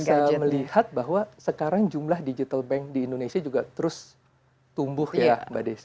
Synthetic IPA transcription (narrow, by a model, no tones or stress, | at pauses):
aməlihat̪̚baɦwasəkaɾaŋd͡ʒumlahdid͡ʒit̪albɛŋk̚diːndonesiad͡ʒuɡat̪əɾʊs | t̪umbʊhjabadas